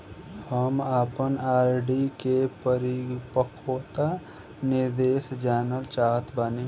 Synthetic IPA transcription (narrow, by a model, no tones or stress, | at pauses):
həmaːpənaːɾɖikepəɾipəkʰoːt̪a | nɪɾd̪eːsd͡ʒaːnəlt͡ʃaːɦət̪bane